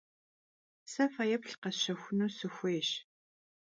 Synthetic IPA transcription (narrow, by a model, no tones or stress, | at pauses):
sɐfajɛpɬqɐɕɐxʷʊnuːsɨxʷeːɕ